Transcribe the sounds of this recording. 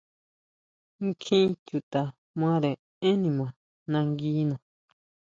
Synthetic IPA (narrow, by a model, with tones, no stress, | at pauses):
ŋ˦kʰĩ˦t͡ʃu˨t̪a˨ | mã˦ɾe˨ | ẽ˦nĩ˧˨mã˨ | nã˧ŋɡiː˦nã˨